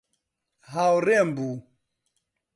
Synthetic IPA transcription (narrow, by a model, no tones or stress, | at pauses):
ɦawɾɛmbu